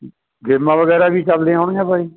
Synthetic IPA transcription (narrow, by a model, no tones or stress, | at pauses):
ɡɪmːãːʋəɡɛːɾaːbʱiːt͡ʃəld̪ẽːɦoɳjãːbʱaːiː